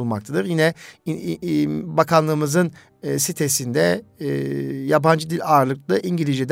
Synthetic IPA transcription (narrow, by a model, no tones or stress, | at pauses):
lˠmakt̪ʰad̪ɯɾjinɛ | bakʰanlˠɯːmɯzɯn | sit̪ʰe̞sind̪ɛ | jaband͡ʒɯd̪ilʲaːɾlˠɯklˠɯʔiɲɟilʲiʒid̪